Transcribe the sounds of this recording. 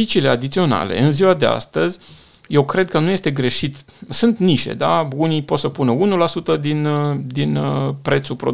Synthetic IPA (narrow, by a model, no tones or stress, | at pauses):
it͡ʃile̞ad̪it̪sio̞na̰le̞̰ɨnziwad̪e̞a̰st̪əzʲ | je̞wkɾe̞d̪̚kənuje̞st̪e̞ɡɾe̞ʃit̪ | sɨnt̪niʃḛd̪aunipo̞t̪səpunəunulasut̪əd̪ind̪inəpɾe̞t̪supɾo̞̰